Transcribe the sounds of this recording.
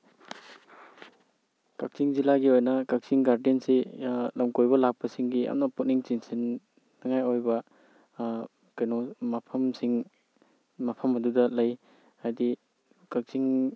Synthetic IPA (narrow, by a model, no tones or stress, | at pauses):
kak̚siŋzilaɡiojnɐkak̚siŋɡaɾdenselɐmkojbɐlak̚pɐsiŋɡija̰mnɐput̚niŋt͡ʃinsinː | ɐŋajojbɐ | kɐjnomɐpʰɐmsiŋ | mɐpʰɐmɐdudɐlɐj | hajdi | kak̚siŋ